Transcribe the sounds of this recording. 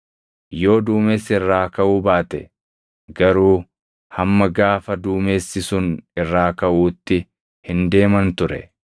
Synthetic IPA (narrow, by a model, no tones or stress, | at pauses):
jo̞ːd̪uːmeːsːɪɪrːaːkɐʔuːbaːt̪ɛ̰ | ɡɐɾuː | hɐmːɐɡaːfɐd̪uːme̞ːsːɪsʊnɪrːaːkɐʔuːt̪ːɪ | hɪnd̪e̞ːmɐnt̪ʊɾɛ̰